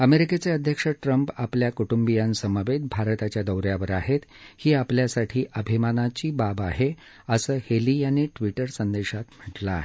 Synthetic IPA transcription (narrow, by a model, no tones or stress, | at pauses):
əmeɾiket͡seəd̪ʱjəkʂəʈɾəmpapljakuʈumbijansəmaʋed̪̚bʱaɾt̪at͡ɕjad̪əwɾjaʋəɾaɦet̪ | hiːapljasaʈʰiːʔəbʱimanat͡ɕiːbabaɦe | əsəːheliːjaniʈʋiʈəɾsənd̪eɕat̪m̤əʈlaɦe